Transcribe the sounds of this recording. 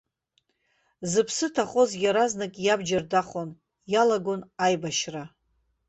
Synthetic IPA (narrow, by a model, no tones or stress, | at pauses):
zɨpʰsɨtʰaχo̞zjʲaɾaznɨkʼjabd͡ʒardaχon | jalaɡonajbaʃra